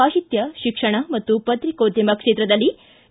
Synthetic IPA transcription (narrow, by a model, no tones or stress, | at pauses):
aɕit̪jɐɕikʂɐɳ̃amɐt̪ːupət̪ɾikot̪jimɐkʂet̪ɾɐd̪ɐlːi